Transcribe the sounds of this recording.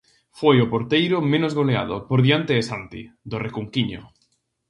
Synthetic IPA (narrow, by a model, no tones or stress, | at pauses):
fojopoɾt̪ejɾomẽnozɣolea̰ðo̰poɾðjant̪eːsant̪ḭd̪orekuŋkiɲo̰